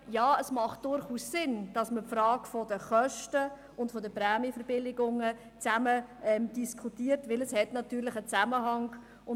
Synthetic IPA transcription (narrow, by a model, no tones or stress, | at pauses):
jaːəsmɑχt̚d̥ʊɾχuːssɪnd̥ɑsməpfɾɑːkfɔdəχœʃtə | ʊntfɔdəpɾɛːmifəɾbɪlɪɡʊŋə | t͡sæməɛmd̥iskʰutiːəɾtʋɪləshɛtnɑtyːlɪχət͡sæməɦɑŋ | ʊ